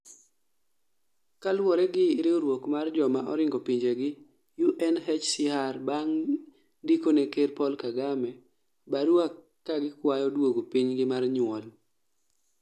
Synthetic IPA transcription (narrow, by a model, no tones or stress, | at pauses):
kalwɔɾɛɡɪɾɪoɾwokmard͡ʒɔmaʔɔɾɪŋɡɔpiɲd͡ʒeɡɪ | juʔɛnɦɛt͡ʃsiɦarbaŋ | dikonɛkerpɔlkaɡamɛ | baɾakː | aɡɪkwajɔdwoɡopiɲɡɪmarɲwɔl